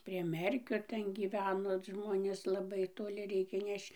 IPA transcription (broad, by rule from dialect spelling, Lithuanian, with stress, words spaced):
pʲrʲiɛ ˈmʲɛrʲkʲoː ˈtʲɛn ɡʲiːˈʋʲæːnoː ˈʒmoːnʲeːs lˠɐˈbɐɪ toːˈlʲɪ ˈrʲɛɪkʲeː ˈnʲɛʃt͡ʃ